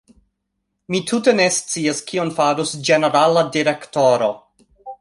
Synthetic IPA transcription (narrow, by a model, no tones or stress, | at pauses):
mitʰute̞ne̞st͡siaskʰionfaɾusd͡ʒene̞ɾaladiɾe̞ktoɾo̞